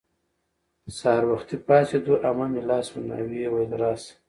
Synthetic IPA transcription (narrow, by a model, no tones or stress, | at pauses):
sɑːɾwaxt̪ipɑːsed̪uʔamamilɑːsmuna̰wiewajd̪ɾɑːs